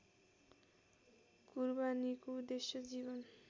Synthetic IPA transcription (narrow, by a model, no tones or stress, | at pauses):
kuɾbanikud̪eʃːod͡ʑibon